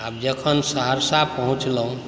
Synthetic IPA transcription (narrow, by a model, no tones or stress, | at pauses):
ab̚d͡ʒəkʰənsəɦəɾsapəɦũt͡ʃləũ